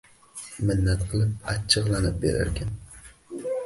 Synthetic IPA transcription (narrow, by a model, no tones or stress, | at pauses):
mɪnːat̪qʰɨlˠɪp̚a̰t͡ʃʰːɨʁlˠanɪp̚bḛɾa̰ɾkʲʰan